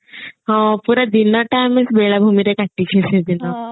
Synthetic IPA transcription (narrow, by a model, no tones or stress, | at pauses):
ɦɔ̃puɾad̪inɔʈamesbeɭabʱumiɾekaʈːikʰesẽd̪inɔ